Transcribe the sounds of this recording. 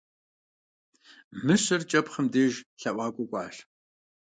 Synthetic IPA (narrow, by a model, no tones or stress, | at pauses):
mɨɕɐrt͡ʃʼɐpχəmdeːʒɬɐʔʷɑːkʷʼɔkʷʼɑːɬ